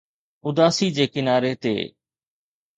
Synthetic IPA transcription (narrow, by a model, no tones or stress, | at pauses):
ʊd̪aːsiːd͡ʒeːkɪnaːɾet̪ḛː